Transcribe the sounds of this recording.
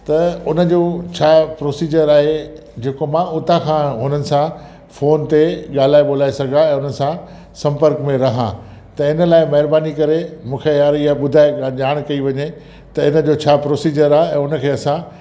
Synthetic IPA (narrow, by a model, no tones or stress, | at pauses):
t̪ɐʊnə̆d͡ʑoːt͡ɕʰaːpɾoːsiːd͡ʑəɾaːɦe | d͡ʑeːkomãʊt̪ãkʰãɦʊnənɪ̆sã | foːnt̪eɠaːl̤aːeɓoːl̤aːesɐɡʱãɛ̃ːʊnəɪ̆sã | sɐ̃mpəɾkmẽɾɐɦã̰ | t̪ɐɪnə̆laːɪmɐɦɪɾbaːnikɐɾemũːkʰejaːɾiaɓʊd̪ʱaːeʄaːɽ̃kɐiʋɐɲe | t̪ɐɪnə̆d͡ʑoːt͡ɕʰaːpɾoːsiːd͡ʑəɾaːɦeɛ̃ːʊnə̆kʰeːɐsã